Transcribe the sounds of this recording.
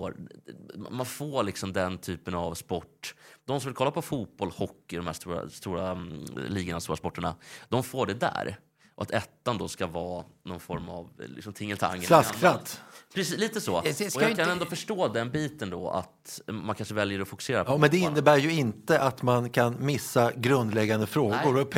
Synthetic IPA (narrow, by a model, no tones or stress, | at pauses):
fo̰ːɾ | manfoːɾlɪksɔmd̪ɛnt̪ʰyːpənavspɔʈːd̪̥ɔmsɔmvɪlkʰɔlːapʰɔfuːt̪̚b̥ɔlhɔkːɪd̪ɔmhæːʂt̪uːɾa̰st̪uːɾa̰liːɡənavst̪uːɾaspɔʈːəɳa̰d̪̥ɔmfoːɖɛd̪æ̰ːɾ | ʔɔa̰t̪ʰɛt̪ːand̪ɔskavɑːnɔnfɔɾma̰vlɪ̰ksɔmt̪ʰɪŋːəlt̪ʰa̰ŋːlasɾat̪ːpʰɾɛsliːt̪əsɔ̰ɔjakʰanɛnd̪ɔfœʂʈoːd̪ɛnbiːt̪ənd̪ɔa̰t̪mankʰanʂəvɛljəɔfʊkɵ̥seːɾapɔmɛnd̪ɛɪnːəbæːɾjɵɪnt̪əʔat̪mankʰanmɪsːaɡɾɵnd̪lɛɡːand̪əfɾoːɡʊɾʰ